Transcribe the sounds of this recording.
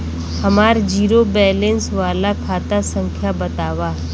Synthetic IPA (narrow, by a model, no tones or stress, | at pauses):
hɐmaːɾd͡ʒiːɾobɛːlẽnsʋaːlakʰaːt̪asə̃ŋkʰjabɐt̪aːʋaː